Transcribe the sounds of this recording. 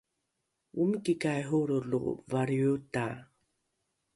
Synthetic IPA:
ʔumkikajɦuɾulṵvaɾiuta

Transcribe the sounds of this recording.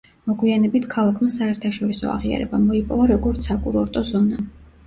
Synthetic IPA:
mɔɡwianɛbit̪ʰkʰalˠakʰmasaɛɾt̪ʰaʃɔɾisɔ̰a̰ʁia̰ɾɛ̰bamɔipʼɔvaɾɔɡɔɾt̪sʰakʼuɾɔɾt̪ʼɔzɔna

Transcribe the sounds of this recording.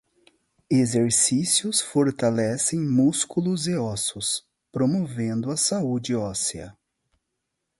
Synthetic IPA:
ezeɾsisiʊsfoɾt̪alɛsẽj̃muskulʊzeɔsʊs | pɾomovẽnd̪ʊɐsaud͡ʒɪɔsiɐ̰

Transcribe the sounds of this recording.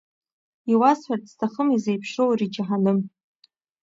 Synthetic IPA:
iwasħʷartstʰaχəmizejpʰʂowrid͡ʒaħanɨm

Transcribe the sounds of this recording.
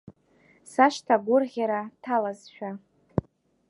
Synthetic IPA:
saʃtʰaɡʷʊrʁʲaɾatʰalazʃᶣa

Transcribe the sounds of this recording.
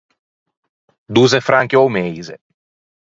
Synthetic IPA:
d̪uːzefɾaŋkeomejzḛ

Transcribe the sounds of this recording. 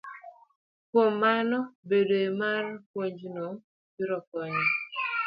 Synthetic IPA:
kwomːanɔbedoemarpwoɲd͡ʒno | piɾɔkɔɲɔ

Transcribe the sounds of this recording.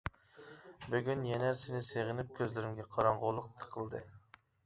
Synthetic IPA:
byɡʲynjɛnɛsɪnɪseʁɪnɪp̚kʲʰøzlɪɾɪmɡʲɛqʰɑɾɑɴʁolˠəq̚t̪ʰə̥qʰəlˠd̪ɨ

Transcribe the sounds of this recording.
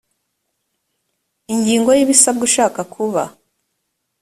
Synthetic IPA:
iɲɟiːŋɡo̞jiβisab̚ɡuʃaːkakʰuβa

